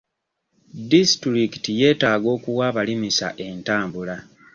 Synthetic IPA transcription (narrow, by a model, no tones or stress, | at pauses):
distɾikitije̞ːtaːɡo̞ːkuwaːβalimisa̰ʔe̞ntaːmbula